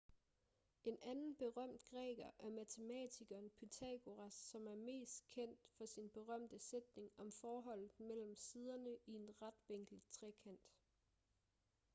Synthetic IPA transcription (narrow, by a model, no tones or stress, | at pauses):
e̝nʔænn̩b̥e̝ʁɶm̰d̥ɡ̥ʁɛ̰ːɡ̥ɐʔæɐmæt͡sʰe̝mɛ̰t͡sʰiɡ̥ɐːnpʰet͡sʰæɡ̥o̝ʁæsːɒ̽mæɐme̝̰ːsd̥kʰen̰d̥fɒ̽sinb̥e̝ʁɶm̰d̥əsed̥ne̝ŋɒ̽mfɒːɦɒ̽l̰ð̩ˠmel̰m̩sið̞ˠɐnəie̝nʁad̥ʋeŋ̰ɡ̥l̩t͡sʰʁɛkʰæn̰d̥